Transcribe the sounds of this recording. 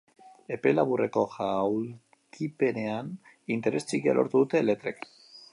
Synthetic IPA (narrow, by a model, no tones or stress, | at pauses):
e̞pe̞laβure̞ko̞xawl | kipe̞ne̞an | int̪e̞ɾe̞st͡siɣia̰lʔo̞̰ɾt̪uðut̪ele̞t̪ɾek